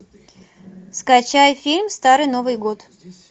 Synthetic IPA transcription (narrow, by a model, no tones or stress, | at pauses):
skɐt͡ɕajfʲilʲmst̪aɾɨjno̞vɨjɡot̪